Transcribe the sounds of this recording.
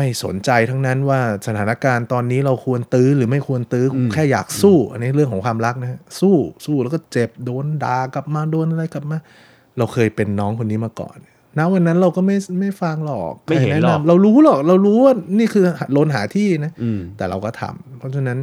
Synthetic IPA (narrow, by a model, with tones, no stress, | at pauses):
ma˥˩jso̰˩˦nt͡ɕa˧jt̪ʰa˦˥ŋna˦˥nwaː˥˩sa˧t̪ʰaː˩˦na˦˥kaː˧nt̪ɔː˧nːiː˦˥ɾa˧wkʰu˧ənt̪ɯː˦˥ɾɯː˩˦ma˥˩jkʰu˧ənt̪ɯː˦˥kʰu˧kʰɛː˥˩ja̰ː˨˩k̚suː˥˩na˦˧ɾɯ˥˩əŋkʰɔː˨˩˦ŋkʰwaː˧mɾa˦˥k̚na˦˥ɦa˦˥suː˥˩suː˥˩lɛː˦˥wkɔː˥˩t͡ɕe˨˩p̚doː˧ndaː˨˩kla˨˩p̚maː˧doː˧nʔa˧ɾa˧jka˨˩p̚maː˧ | ɾa˧wkʰɤː˧jpe˧nːɔː˦˥ŋkʰo˧nːiː˦˥maː˧kɔ̰ː˨˩nː | a˦˥wa˧nːa˦˥nɾa˧wkɔː˥˩ma˥˩jma˥˩jfa˧ŋlɔ̰ː˨˩k̚ʔnɛ˦˥na˧mɾa˧wɾuː˦˥lɔː˨˩k̚ɾa˧wɾuː˦˥waː˥˩niː˥˩kʰɯː˧ha˨loː˧nɦaː˩˦t̪ʰiː˥˩na˦˥t̪ɛː˨˩ɾa̰˧wkɔː˥˩t̪ʰa̰˧mpʰɔ˦˥t͡ɕʰa˧na˦˥n